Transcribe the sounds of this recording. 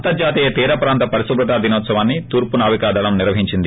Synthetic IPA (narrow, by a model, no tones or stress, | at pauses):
t̪ɐɾd͡ʒaːt̪iːjɐt̪iːɾɐpɾaːnt̪ɐpɐɾisubɾɐt̪aːd̪ʱinɔːt̪sɐʋaːnːit̪uːɾpunaːʋikaːd̪ʱɐlɐmniɾʋɐɦiɲt͡ʃind̪i